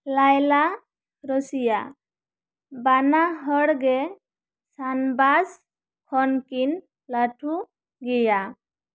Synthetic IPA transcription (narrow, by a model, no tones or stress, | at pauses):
lajla | ɾəsija | banaɦəɽɡɛ | sanbas | kʰɔnkin | laʈʰu | ɡija